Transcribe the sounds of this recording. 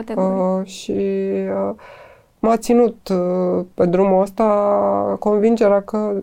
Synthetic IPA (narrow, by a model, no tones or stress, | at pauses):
ʃi | mat̪sinut̪ | pe̞d̪ɾumuəst̪ako̞nvind͡ʒeɾakə